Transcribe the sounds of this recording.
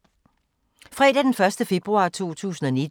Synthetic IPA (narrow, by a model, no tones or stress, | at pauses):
fʁɛ̰ːd̥æd̥enfɶɐsd̥əfe̝b̥ʁuɑ̰̈t͡sʰo̝̰ːt͡sʰṵːsn̩ɒ̽ni̥